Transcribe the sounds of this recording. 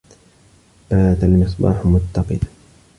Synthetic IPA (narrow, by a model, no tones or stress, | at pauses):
b̥aːt̪almɪsˤbɑ̰ːħmʊt̪ːɑqɨd̪